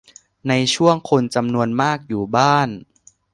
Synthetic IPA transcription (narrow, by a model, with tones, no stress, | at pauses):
na˧jt͡ɕʰu˥˩əŋkʰo˧nt͡ɕa˧mnu˧ənmaː˥˩k̚juː˨˩baː˥˩n